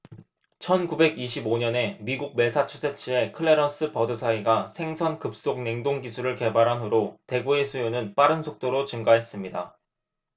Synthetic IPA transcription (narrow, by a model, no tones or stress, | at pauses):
t͡ɕʰʌnkube̞ɡiɕʰiboɲʌne̞miɡuɡ̚me̞sʰat͡ɕʰusʰe̞t͡ɕʰie̞kʰɯɭːe̞ɾʌs͈ɯpʌdɯsʰaiɡasʰe̞ŋsʰʌnkɯp̚s͈ok̚ne̞ŋdoŋɡisʰuɾɯɭke̞baɾɦanɦoɾote̞ɡue̞sʰujonɯnp͈aɾɯnsʰok̚t͈oɾot͡ɕɯŋɡaɦe̞s͈ɯmɲida̰